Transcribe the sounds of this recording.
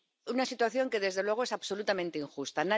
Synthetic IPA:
unasit̪waθjo̞ŋke̞ðe̞zðelwe̞ɣoe̞saβso̞lut̪amẽnt̪eiŋxust̪ana

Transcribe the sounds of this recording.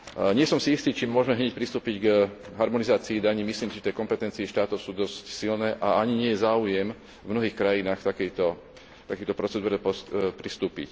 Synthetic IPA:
ɲɪɛsɔmsiist̪iːt͡ʃimːʊɔʒmɛɦɲɛc̚pɾist̪uːpiɟɡ | ɦaɾmɔnizaːt͡siːd̪aɲimisliːmsit̪ɛkɔmpɛt̪ɛnt͡siːʃt̪aːt̪ɔʊsuːd̪ɔscsilnɛːʔaaɲiɲɪɛjɛzaːujɛm | vmnɔɦiːxkɾajinaːxt̪akɛjt̪ɔ | t̪akɛjt̪ɔpɾɔt͡sɛd̪uːɾɛpɔpɾist̪uːpḭc

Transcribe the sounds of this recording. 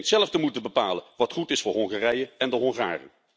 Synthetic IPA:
tsɛlˠəftəmutəbəpaːlənʋɑtχutɪsfʊːɹɦɔŋχarɛjəɛndəɦɔŋχa̰ːrə̰n

